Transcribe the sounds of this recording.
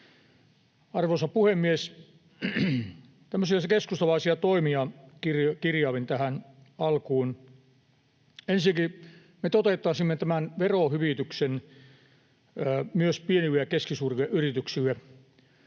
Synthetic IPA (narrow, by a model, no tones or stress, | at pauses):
ɑrʋosɑpuhemːies | t̪æmːøsiɑkeskust̪ɑlɑisiɑt̪oimiɑkirkirjɑːʋint̪æhæn | ɑlkuːn | ensiki | met̪ot̪eˑt̪ːˑɑˑsimːet̪æmænʋerohyʋiˑt̪yksen | myøspieniʋiækeskisuːriɑʔyrit̪yksiæ